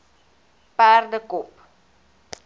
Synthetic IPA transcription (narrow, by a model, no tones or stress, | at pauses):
pærdəkɔp